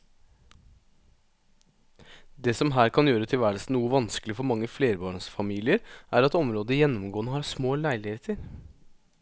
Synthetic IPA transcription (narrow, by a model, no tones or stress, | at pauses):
d̪ɛsɔmɦæːɾkʰɑnjøːɾət̪ʰɪlʋæːɭ̩sn̩uːəʋɑnskəlɪfɔɾmɑŋːəfleːɾbɑːɳsfɑmiːlɪəɾʔæːɾɑt̪ɔmɾoːd̪əjɛnːɔmɡoːnəhɑːsmoːlæɪlɪheːt̪ʰəɾ